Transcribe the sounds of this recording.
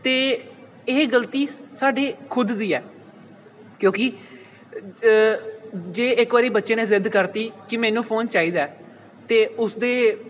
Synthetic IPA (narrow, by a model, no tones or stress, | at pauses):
t̪eː | eːɡəlt̪iːsaːɖeːkʰʊd̪d̪iːɛː | kjõːkɪ | d͡ʒeːɪkʋaːɾiːbətːʃeːnẽːzɪd̪kəɾt̪iːkɪmɛ̃ːnũːpʰoːnt͡ʃaːiːd̪aː | t̪eːʊsd̪eː